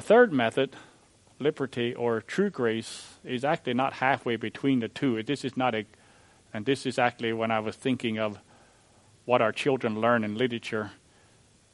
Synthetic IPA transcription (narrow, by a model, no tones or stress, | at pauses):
ɨθɜ˞d̚mɛθɨd̥ | lɪbə˞ɾiʔə˞tʰɹ̥ʉɡɹeɪsɪzæk̚t͡ʃʉl̩ˠinət̚hæfweɪbɨtʰw̥ĩnðɨtʰʉðɪsɨznəɾɨ | ɨ̃nðɪsɨzæk̚t͡ʃʉl̩ˠiwə̃ñaɪwʌz̥θɪ̃ŋkɪ̃ŋʌv | wʌɾaʊə˞t͡ʃʰɪlˠdɹə̃nlɜ̃˞nɨ̃nlɪɾə˞ɨt͡ʃə˞